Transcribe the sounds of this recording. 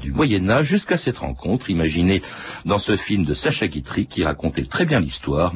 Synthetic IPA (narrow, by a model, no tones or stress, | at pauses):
d̪ymwajɛnaʒːyskasɛt̪ʁɑ̰̃kʰɔ̃t̪χimaʒine | d̪ɑ̃səfilmd̪əsaʃaɡʲit̪χikʲiʁakɔ̃t̪ɛt̪χɛbjɛ̃list̪waːʁ